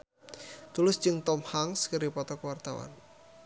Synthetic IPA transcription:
t̪ulʊsd͡ʒɨŋt̪ɔmhaŋskəɾipɔt̪ɔkəwart̪awa̰n

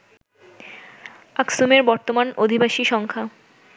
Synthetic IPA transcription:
aksumeɾbɔɾt̪omanod̪ʱibaʃiʃɔŋkʰa

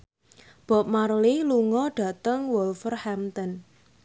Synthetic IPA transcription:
b̥ɔ̤p̚marlɪluŋɔɖ̥a̤t̪əŋwɔlfərhamt̪ən

